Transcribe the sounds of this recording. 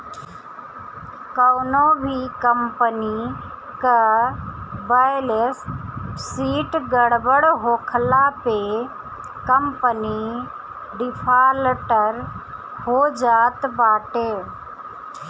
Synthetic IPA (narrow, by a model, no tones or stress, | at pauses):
kəwnobʱikəmpəni | kə | baɪləssiːʈɡəɽbəɽɦoːkʰlape | kəmpəni | ɖɪpʰaːlʈəɾ | hoːd͡ʒaːt̪baːʈeː